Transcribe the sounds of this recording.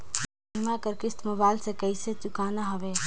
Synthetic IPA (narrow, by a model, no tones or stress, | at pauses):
imakəɾkɾist̪mobajlsẽkəjset͡ʃukanaɦəbe